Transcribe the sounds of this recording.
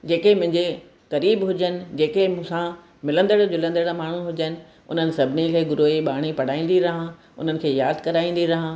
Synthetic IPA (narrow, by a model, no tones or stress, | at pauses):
d͡ʑeːkemʊ̃ɦɪ̃ɲd͡ʑe | ɣɐɾiːbɦʊd͡ʑənɪ̆d͡ʑeːkemũsã | mɪlə̃nd̪əɽd͡ʑʊlə̃nd̪əɽamaːɳ̤ũɦʊd͡ʑənɪ̆ | ʊ̰n̤ənɪ̆sɐbʱɪnikʰeːɡʊɾoːiɓaːɽ̃ipɐɽ̤aːĩːn̆d̪iɾɐɦã | ʊ̰n̤ənɪ̆kʰeːjaːd̪kɐɾaːĩːn̆d̪iɾɐɦã